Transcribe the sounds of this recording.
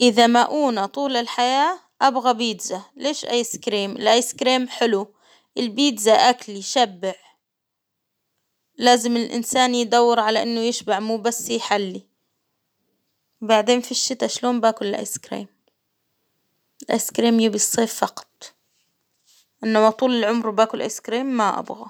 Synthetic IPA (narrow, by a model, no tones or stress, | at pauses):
ʔɪðamaʔuːnat̪ˤuːlɪlħajaː | ʔabɣabiːd̪zaleːʃʔa̰jskɾiːmɪlʔajskɾiːmħɪlu | ʔɪlbiːd̪zaʔakliʃabːɪʕ | laːzɪmɪlʔɪ̰nsaːnjd̪awːɪɾʕalaʔɪnːʊjɪʃbaʕmuːbasːjħalːi | wbaʕd̪eːnfiʃːɪt̪aʃloːmbaːkʊlɪlʔa̰jskɾḭːm | ɪlʔa̰jskɾiːmjɪbijsˤiːffɑqɑ̥t̪̚ˤ | ʔɪnːamat̪ˤuːlɪlʕʊmɾwbaːkʊlʔa̰jskɾiːmːaʔa̰bɣa